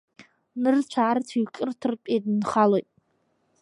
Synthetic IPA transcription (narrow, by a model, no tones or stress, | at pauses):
nɨrt͡ʃʷʰaːrtʰiɥkʼɨrtʰɨrpʼejdnχalojtʼ